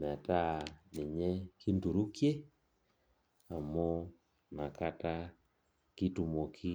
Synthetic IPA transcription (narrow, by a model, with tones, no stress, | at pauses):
n˨a˨ta˦ni˨ɲɛ˦ki˦ndu˨ɾu˦kje˦ | a˨mɔ˦ | na˨ka˦ta˦ | ki˦tu˨mɔ˨kʰi˦